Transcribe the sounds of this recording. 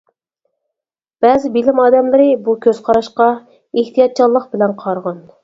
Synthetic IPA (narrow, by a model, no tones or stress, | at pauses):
b̥ɛːzɪbilɪmɑːd̪ɛmlˠɨɾɨbukʲʰøz̥qʰɑɾɑʃqɑ | eht̪ʰijɑt̪̚t͡ʃʰɑlˠːəqbɪlɛnqʰɑɾʁɑn